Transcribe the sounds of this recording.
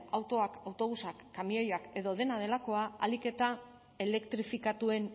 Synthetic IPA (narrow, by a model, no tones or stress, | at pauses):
awt̪o̞akawt̪o̞ɣusakːamio̞jake̞ðo̞ðe̞nað̞e̞lako̞aa̰like̞t̪a | e̞le̞kt̪ɾifikat̪ue̞n